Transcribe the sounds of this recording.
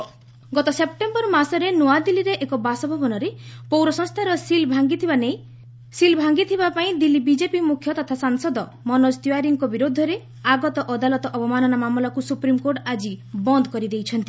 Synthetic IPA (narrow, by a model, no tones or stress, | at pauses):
ɡɔt̪ɔsep̚ʈembɔɾmasɔɾenoad̪iliɾeʔekɔbasɔbʱɔbɔnɔɾepowɾɔsɔ̃ŋst̪ʰaɾɔsilbʱaɡit̪ʰibaneĩ | silbʱaŋɡit̪ʰibapaĩd̪ilːibid͡ʒepimukʰjɔt̪ɔt̪ʰasaŋsɔd̪ɔ | mɔnɔst̪uaɾiŋkɔbiɾod̪ʱːɔɾe | aɡɔt̪ɔʔɔd̪alɔt̪ɔʔɔpɔmanɔnamamlɔkusupɾimkoɾʈad͡ʒibɔnd̪ɔkɔɾid̪ejt͡ʃʰɔnt̪i